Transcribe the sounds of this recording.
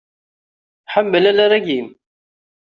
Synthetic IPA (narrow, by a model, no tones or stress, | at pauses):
ħamːəlælaɾæɡim